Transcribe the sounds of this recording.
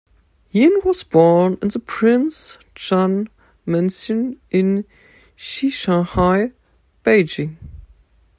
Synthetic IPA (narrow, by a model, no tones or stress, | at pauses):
hĩnwʌzbɔnɨ̃nðəpʰɹ̥ɪ̃ns | d͡ʒ̥ɑ̃n | mɛ̃nsɨ̃nɪ̃n | ʃiʃãhaɪ | b̥eɪd͡ʒɪ̃ŋ